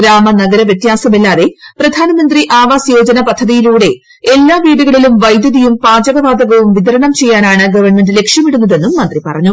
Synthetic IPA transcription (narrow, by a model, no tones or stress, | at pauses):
ɡɾaːmɐnɐɡɐɾɐʋjɐt̪jaːsɐmelːaːðe̞prɐd̪ʱaːnɐmɐnd̪riʔaːʋaːsjoːd͡ʑɐnɐpɐd̪ʱːɐðijiluːɽe̞ | elːaːʋiːɽuɣɐɭilumʋɐjd̪jɐðijumpaːd͡ʑɐɣɐʋaːd̪ɐɣɐʋumʋiðɐɾɐɳɐmt͡ɕe̞jːaːnaːɳɨɡɐʋɐɳmendɨle̞kʂjɐmiɽunːɐðe̞nːumːɐnd̪ripɐrɐɲːu